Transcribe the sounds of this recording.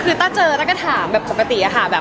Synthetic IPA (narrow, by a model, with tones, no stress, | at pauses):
kʰɯː˧t̪ɔ˥˩t͡ɕɤː˧ɾa˦˥ka˧˩t̪ʰaː˩˦mbɛː˨˩p̚kʰɔ˨˩˦ka˧t̪i˨˩˦ʔa˨˩kʰa˥˩bɛː˨˩